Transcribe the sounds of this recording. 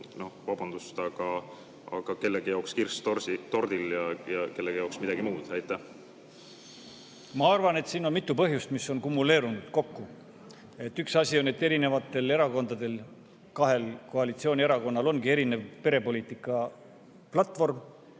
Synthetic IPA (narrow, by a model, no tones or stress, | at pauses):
no̞hvɑb̥ɑnd̪̥ust̪ɑɡ̥ɑ | ɑ̰ɡ̥ɑke̞lːeɡ̥ejɑokskirst̪orsit̪o̞rd̪iljɑjɑke̞lːeɡjoksmid̪ɑɡ̥imuːd̪̥æjt̪ːˑæh | mɑɑrvɑne̞t̪siːno̞nmit̪ːˑupɤɦjust̪misːo̞nkumːule̞ːɾunud̪̥ko̞kːu | e̞t̪ːyksɑsʲio̞ne̞t̪ːeɾine̞vɑt̪ːˑe̞le̞ɾɑko̞nd̪̥ɑd̪̥e̞l | kɑɦe̞lko̞ɑlit̪sio̞ːnʲie̞ɾɑko̞nːɑlo̞nɡie̞ɾine̞vpe̞ɾe̞po̞lʲiːt̪ˑikːˑɑ | plɑt̪ːˑvo̞rm